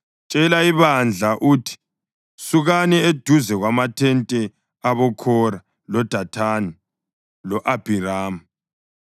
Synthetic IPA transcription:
t͡ʃʼɛlaiβand͡ɮʱaʔuːtʰi̥ | suɣanɛed̥ʱuzɛɣwamatʰɛntʼɛ | aβɔkʰɔɾa | lɔd̥ʱatʰani | lɔʔab̥ʱiɾaːmu

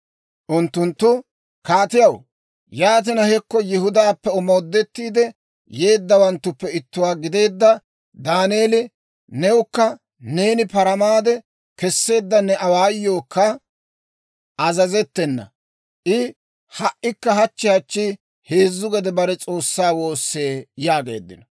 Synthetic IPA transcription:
ʔʊnt̪ːʊnt̪ːʊ | kaːt̪ɪjɐw | jaːt̪̬ɪnɐhɛkːɔjɪhʊd̪aːpːɛɔmo̞ːd̪ːɛt̪ːiːd̪ɛ | je̞ːd̪ːɐwɐnt̪ːʊpːɛɪt̪ːʊwaːɡɪd̪e̞ːd̪ːɐ | d̪aːneːlɪ | nɛʊkːɐ | ne̞ːnɪpɐɾɐmaːd̪ɛ | kɛsːe̞ːd̪ːɐnːɛɐwaːjːoːkːɐ | ɐzɐzɛt̪ːɛnːɐ̰ | ʔɪ | hɐʔɪkːɐhɐt͡ʃːɪhɐt͡ʃːɪ | he̞ːzːʊɡɛd̪ɛbɐɾɛt͡sʼo̞ːsːaːwo̞ːsːe̞ːjaːɡe̞̰ːd̪ːɪnɔ

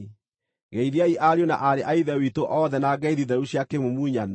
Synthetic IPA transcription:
ɣɛiðiaiʔaɾjona̰ʔaɾeʔaiðɛwitoʔɔðɛnaɡɛiðiðɛɾuɕjakemomuɲan

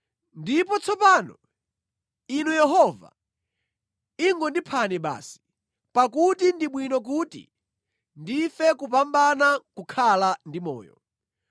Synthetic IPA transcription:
ndipɔt͡sʰɔpaːnɔ̰ | inujɛɦɔva̰ | iŋɡɔndipʰanɛɓa̰ːsi̥ | pakutindiɓwinɔk̬uːtḭ | ndifɛkup̬ambanakukʰalandimɔ̰ːjɔ̰

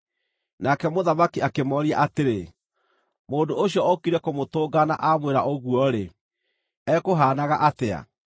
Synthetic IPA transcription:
nakɛmoðamakiakemɔɾia̰ʔateɾe | moːndoːɕiɔɔkiɾɛkomotoːɡana̰ʔamweɾaʔoɣwɔɾe | ɛkoɦaːnaɣaʔatea̰

